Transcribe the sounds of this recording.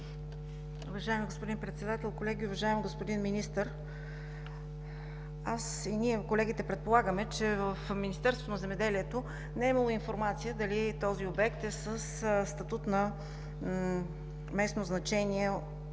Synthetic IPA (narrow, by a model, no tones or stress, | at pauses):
ʊvɐʒaɛmiɡospod̪inpɾɛt̪sɛd̪at̪ɛlˠkolɛɡʲiʊvɐʒaɛmɡospod̪inminist̪əɾ | asiniɛkolɛɡʲit̪ɛpɾɛt̪̚polˠaɡəmɛt͡ʃɛvəfminist̪ɛɾst̪vo̥t̪onɐzɛmɛd̪ɛliɛt̪o | nɛimɐlˠoinfoɾmat̪sijəd̪ɐlit̪ɔziobɛkt̪ɛsəsst̪ɐt̪ut̪nɐ | mɛsnoznɐt͡ʃɛniɛ